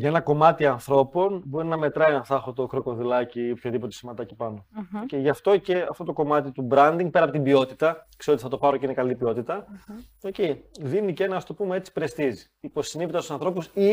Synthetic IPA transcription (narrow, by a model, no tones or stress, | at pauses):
ʝɐenɐko̞mɐt̪iɐnθɾo̞po̞nbo̞ɾinɐme̞t̪ɾɐjɐnθɐxot̪o̞kɾo̞ko̞ðilɐciopçoðipot̪e̞simɐt̪ɐcipɐno̞oceʝɐft̪o̞ce̞ɐft̪o̞t̪oko̞mɐt̪it̪ubɾɐnd̪iŋɡ̚pe̞ɾɐpo̞t̪ibio̞t̪it̪ɐkseot̪iθɐt̪o̞pɐɾoceinekɐlipio̞t̪it̪ɐ | oceðinicenɐɐst̪o̞pumee̞t͡si̥pɾe̞st̪izi̥ | ipo̞sinipit̪ɐst̪usɐ̃nθɾo̞pusi